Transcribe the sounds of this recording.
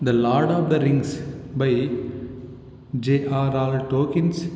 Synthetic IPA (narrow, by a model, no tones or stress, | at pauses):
d̪ɐlɔːɾɖɔːʋd̪ɐɾɪ̃ŋɡsbaɪ | d͡ʒeːʔaːɾaːlʈoːkɪ̃ns